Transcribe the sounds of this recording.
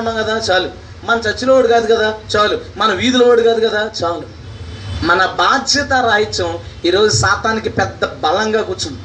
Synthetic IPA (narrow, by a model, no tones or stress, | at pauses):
ɳːɐŋkɐd̪aːt͡ʃaːlu | mɐnɐt͡ʃɐt͡ʃːuloːʋɐɽukaːd̪ukɐd̪aːt͡ʃaːlumɐnɐ̃mʋiːd̪uloɐɽukaːd̪ukɐd̪aːt͡ʃaːlu | mɐnɐbaːd̪jɐt̪aɾaːjit͡ʃɐmiːɾo̞ːd͡ʒusaːt̪aːnikipɛd̪ːɐbɐlɐŋɡaːkuːɾt͡ʃum